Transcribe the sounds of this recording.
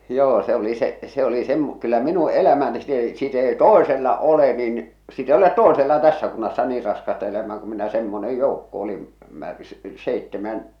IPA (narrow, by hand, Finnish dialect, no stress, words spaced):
joː se oli seʔ se oli sem kylːæ minu elæmæ nĭ sit ei sit ei toˑeselːɑ ole nin sit ei olet toeselːɑ tæsːæ kunːɑsːɑ niːr rɑskɑstɑ elæmæː ku minæ semːone joukːo oli mær seitːemæn